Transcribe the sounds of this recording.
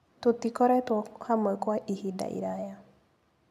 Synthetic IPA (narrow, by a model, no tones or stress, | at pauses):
totikɔɾɛtwɔhamɔɛkwaʔihida̰ʔḭɾaja